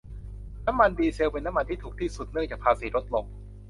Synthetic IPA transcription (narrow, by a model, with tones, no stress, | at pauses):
na˦˥mːa˧ndiː˧se˧wpe˧nːa˦˥mːa˧nt̪iː˥˩uː˨˩k̚t̪ʰiː˥˩su˨˩t̪̚nɯ˥˩ŋt͡ɕaː˨˩pʰaː˧siː˩˦ɾo˦˥t̪̚lo˧m